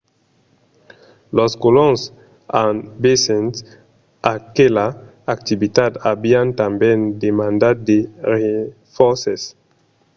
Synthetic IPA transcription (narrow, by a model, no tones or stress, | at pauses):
lɔskolɔ̃ŋs | ãnbesɛ̃nt | akela | ak̚t̪ivitadabiãnt̪ãmbjɛ̃ndemãndad̚deʁe | fɔsɛs